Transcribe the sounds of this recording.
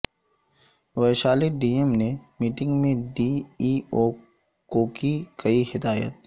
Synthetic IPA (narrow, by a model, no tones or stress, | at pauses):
ʋɐʃaːliɖiːemnemiːʈɪ̃ŋɡmẽɖiːiːoː | koːkikɐihɪd̪aːjə̰t̪̚